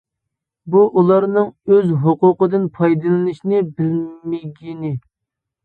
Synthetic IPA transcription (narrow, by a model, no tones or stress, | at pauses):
buʔulˠɑɾnɨŋøzɦʊqʊqəd̪ɨnpʰɑjd̪ɨlˠɨnɨʃnɪbɪlmɪɡʲinɪ